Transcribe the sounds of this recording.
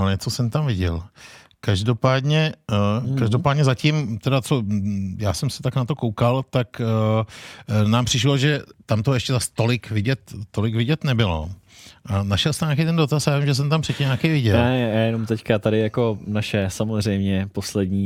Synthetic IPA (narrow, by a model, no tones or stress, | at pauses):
alɛt͡sosɛmt̪amvɪɟɛ̰l | kaʒdo̞paːdɲɛ | kaʒdopaːdɲɛzacɪmt̪ɛdat͡so̞jaːsɛmsɛ̥t̪aknat̪o̞kowkalt̪ak | naːmpr̥ɪʃloʒɛt̪amt̪oɛʃcɛzast̪o̞lɪkvɪɟɛt̪ːo̞lɪkvɪɟɛt̪nɛbɪlo̞̰ | ʔanaʃɛlst̪ɛɲaːkejt̪ɛndot̪asajaːvimʒɛs̬ɛmt̪ampr̥ɛcɪmɲaːkɛjvɪɟɛjɛnomt̪ɛckat̪adɪjako̞naʃɛsamozr̝ɛjmɲɛposlɛdɲiː